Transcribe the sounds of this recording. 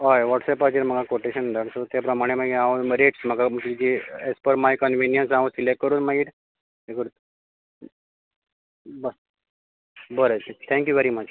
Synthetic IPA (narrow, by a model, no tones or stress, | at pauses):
ɦajʋɔʈsɛpad͡ʑeɾm̤əɡakoʈeɕənd̪ʱaɽsot̪apɾəmaɽ̃eməɡiãũɾeʈsməɡaməkid͡ʑiespəɾmajkənʋinjənsãsilekʈ̚kːəɾuːnmaɡiːʈ̪ | ekəɾut̪ | bə | bəɾətt̪ʰɛ̃ŋkjuʋeɾimət͡ʃ